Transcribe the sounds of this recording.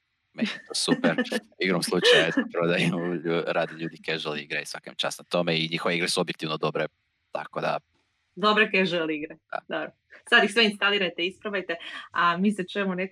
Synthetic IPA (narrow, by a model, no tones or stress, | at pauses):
mest̪osupeɾiɡɾomslˠut͡ʃajspɾod̪ajemʎuɾaːd̪eʎuːd̪ikeʒeliḭɡɾajisʋa̰kḛmt͡ʃa̰snat̪o̞meiɲixo̞ʋeiɡɾesuobjekt̪iʋnod̪o̞bɾe | t̪a̰kod̪a̰ | d̪obɾekeʒeeliiɡɾad̪a̰d̪obɾo | sad̪ixsʋeinst̪aliːɾajt̪eispɾaʋajt̪eamiːset͡ʃujemune